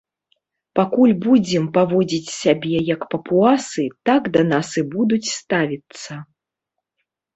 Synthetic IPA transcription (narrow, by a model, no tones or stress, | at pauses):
pakulʲbud͡zʲɛmpavɔd͡zʲit͡sʲsʲabʲɛjɐkpɐpuasɨt̪akd̪ɐnasɨbud̪ut͡sʲst̪avʲit̪sːɐ